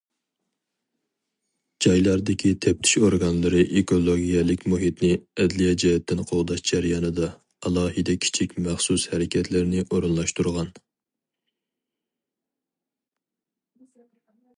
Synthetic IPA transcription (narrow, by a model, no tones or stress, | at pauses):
d͡ʒɑjlˠɑɾd̪ɪkʲʰit̪ʰɛp̚t̪ʰɪ̥ʃoɾɡɑnlˠɨɾɨʔekʰolˠoɡʲijɛlˠɪkʲmuɦit̪nɪɛd̪lijɛd͡ʒɛjɛt̪ʰːɪnqʰoʁd̪ɑʃd͡ʒɛɾjɑnɨd̪ɑː | lˠɑːhɨd̪ɛkʲʰi̥t͡ʃʰikʲmæχsushɛɾɪkʲɛt̪ʰlɪɾnɪʔoɾunlˠɑʃt̪uɾʁɑn